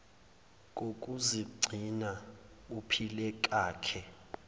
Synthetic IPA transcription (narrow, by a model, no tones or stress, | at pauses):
k̬ʼokʼuziɡ͡ǀʱina | upʰilɛk̬ʼaːkʰɛ